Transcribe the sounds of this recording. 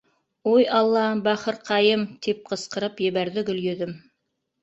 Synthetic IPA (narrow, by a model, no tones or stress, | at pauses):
ojɑlˠːɑbɑχɤɾqʰɑjɤmt̪ʰip̚qɤ̆sqɤ̆ɾɤpjɘ̆βæɾðɪɡɵ̆ljɵ̆ðɘm